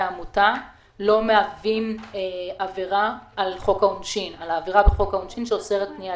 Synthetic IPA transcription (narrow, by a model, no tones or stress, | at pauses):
amuta | lo̞meavimeaviʁaːlχo̞kaunʃinalaːviʁabeχo̞kaunʃinʃeoseʁet̚pnia